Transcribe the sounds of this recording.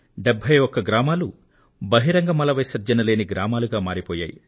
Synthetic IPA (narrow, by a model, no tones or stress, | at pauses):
ɖebʱːɐjɔkːɐɡɾaːmaːlu | bɐɦiɾɐŋɡɐmɐlɐʋɐjsɐɾd͡ʒɐnɐle̞ːniɡɾaːmaːluɡaːmaːɾipɔːja̰ːjḭ